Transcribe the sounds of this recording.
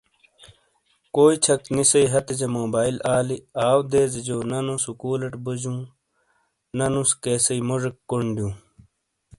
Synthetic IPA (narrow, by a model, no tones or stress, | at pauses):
koːit͡ɕʰɐk̪̚nisɐiɦɐt̪ed͡ʑɐmoːbaːilaːliaːwd̪eːzd͡ʑoːnɐnusukuːlɐʈbud͡ʑũː | nɐnuskeːsɐimoʐekːoɳɖjũː